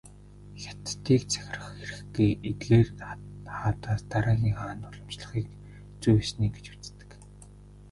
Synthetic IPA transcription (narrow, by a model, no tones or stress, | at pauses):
xʲḁt̪ːiːkt͡sʰæ̥x̆ʲrə̆χxeɾɘ̆xɡujet̪ɡeːrχaːt̪aːst̪aɾaːɣiːxaːnt̪ʊɮɞ̆m̥t͡ɕɮə̆χiːk | t͡sujsniːɡet͡ɕu̥t͡st̪ɘ̥̆k